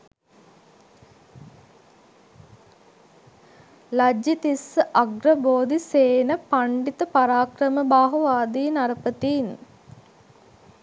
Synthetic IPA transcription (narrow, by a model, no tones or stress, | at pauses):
lad͡ʒit̪isəʔaɡɾəboːd̪iseːnəpaɳɖit̪əpaɾaːkrəməbaːɦuʋaːd̪iːnaɾəpət̪iːn